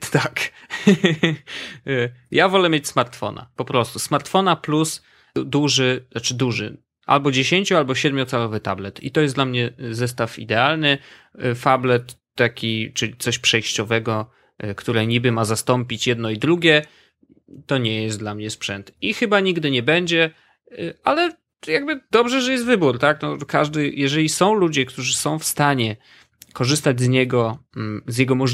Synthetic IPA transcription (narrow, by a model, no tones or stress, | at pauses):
t̪ak | javɔlɛmʲjet͡ɕʲsmaɾt̪fɔ̰na̰pɔpɾɔst̪usmaɾt̪fɔnaplus | d̪uʐɘat͡ʂɘd̪uʐɘ̰ | ʔa̰lbɔd͡ʑeɕeɲʲt͡ɕualbɔɕɛd̪mʲjɔt̪sɛlɔvɘt̪ablɛt̪ḭt̪ɔjɛsd̪lamɲɛzɛs̬t̪afḭd̪ɛalnɘ | fablɛt̪ːakʲit͡ʂɘlʲit̪sɔɕpʂɛjɕt͡ɕɔvɛɡɔ | kt̪uɾɛɲibɘmazast̪ɔmpʲit͡ɕjɛd̪nɔid̪ɾuɡʲɛ | t̪ːɔɲɛjɛst̪d̪lamɲɛspʂɛnt̪ixɘbaɲiɡd̪ɘɲɛbɛɲd͡ʑɛ | alɛ | jaɡbɘd̪ɔbʐɛʐɛjɛst̪vɘbuɾt̪aknɔkaʐd̪ɘjɛʐɛlʲisɔ̃w̃lud͡ʑɛk̚t̪uʐɘsɔ̃w̃fst̪aɲɛ | kɔʐɘst̪ad͡ʑʲzɲɛɡɔzʲjɛɡɔmɔ